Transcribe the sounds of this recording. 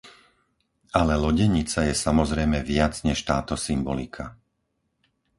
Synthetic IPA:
alɛlɔɟɛɲit͡sajɛsamɔzɾɛjmɛʋɪat͡sɲɛʃt̪aːt̪ɔsimbɔlikʰa

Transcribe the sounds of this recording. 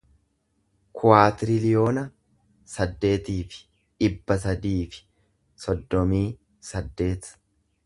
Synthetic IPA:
kʰʊwaːt̪ɪɾɪlɪjo̞ːnɐ | sɐd̪ːe̞ːt̪iːfɪ̥ | ᶑɪbːɐs̬ɐd̪iːfɪ̥ | sɔd̪ːɔmiː | sɐd̪ːe̞ːt̪

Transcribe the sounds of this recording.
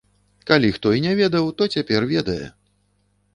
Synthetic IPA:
kalʲixt̪ɔinʲɛvʲɛd̪ɐwt̪ɔt͡sʲapʲɛrvʲɛd̪ɐjɛ̰

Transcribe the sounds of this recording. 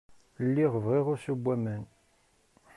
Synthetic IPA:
lːiʁəvʁiʁʊɾsəbʷːæmən

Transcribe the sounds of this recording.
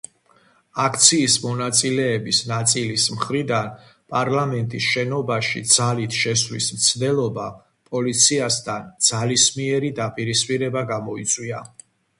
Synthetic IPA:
akʰt̪sʰiːsmɔnat̪sʼilɛːbisnat̪sʼilismχɾid̪anpʼaɾlamɛnt̪ʼisʃɛnɔbaʃḭd̪z̥alit̪ʰʃɛsvlismt̪sʰd̪ɛlˠɔba | pʼɔlit̪sʰiasd̪ʰand̪z̥alismiɛɾid̪apʼiɾispʼiɾɛbaɡamɔit̪sʼwia

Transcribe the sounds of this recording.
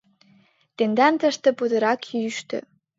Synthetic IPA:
t̪end̪ɑnt̪ə̆ʃt̪ɤ̆pud̪ɤ̆ɾɑkjyʃt̪ø̰

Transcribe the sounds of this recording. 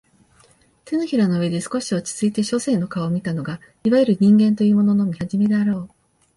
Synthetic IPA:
t̪e̞noçiɾano̞ɯ̟ed̪e̞sɨ̥ko̞ɕio̞t͡ɕi̥t͡sɨit̪e̞ɕo̞se̞ːno̞kaomʲit̪ano̞ɡa | iβajɯɾɯ̟ɲ̟ĩŋɡẽ̞nt̪o̞jɯ̟ːmo̞no̞no̞mʲihaʑime̞d̪e̞aɾo̞ː

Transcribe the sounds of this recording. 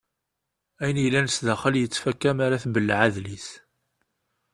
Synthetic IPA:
æjnijlːænəsðaχəljət͡sːfækːæmaɾaθbəlːʕaðlis

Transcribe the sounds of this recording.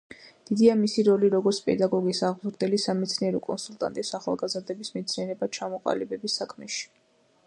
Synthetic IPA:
d̪̥id̪iamisiɾɔliɾɔɡɔɾt̪sʰpʼɛ̰d̪aɡɔɡisaʁmzɾd̪ɛlisamɛt̪sʰniɛɾɔkʼɔnsulˠt̪ʼa̰nt̪ʼisaχa̰lˠɡazɾd̪ɛbismɛt̪sʰniɛɾɛbat͡ʃʰamɔqʼa̰libɛbisakʰmɛ̰ʃi̥

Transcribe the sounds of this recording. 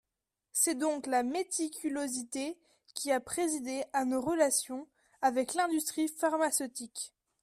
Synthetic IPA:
sɛd̪ɔ̃klamet̪ikʲylozit̪e | kʲiapχezid̪eanoʁəlasjɔ̃ | avɛklɛ̃d̪yst̪χifaʁmasøt̪ik

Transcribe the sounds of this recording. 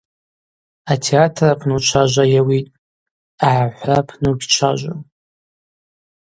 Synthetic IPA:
atʰeatʰrapʷʰnut͡ʃʷʰaʒʷajawitʼ | aʕaħʷapʰnuɡʲt͡ʃʷʰa̰ʒʷa

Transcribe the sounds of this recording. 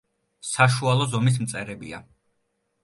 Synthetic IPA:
saʃualˠɔzɔmis̬mt̪sʼɛɾɛbḭa̰

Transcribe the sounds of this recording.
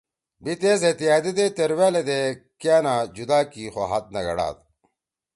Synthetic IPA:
bit̪eːzet̪ijaːd̪id̪et̪eɾwaːled̪ekjaːnad͡ʑud̪aːkixoɦɐt̪̚nɐɡɐ̰ɽa̰ːt̪̚

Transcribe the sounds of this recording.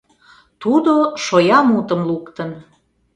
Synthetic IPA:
t̪ud̪oʃojɑmut̪əmlukt̪ən

